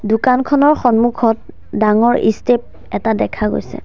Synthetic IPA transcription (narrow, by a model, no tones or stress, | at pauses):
dukankʰɔnɔɹxɔnmukʰɔt̚ | daŋɔɹʔḭstep̚ | ɛtadɛkʰaɡo̰jsɛ̰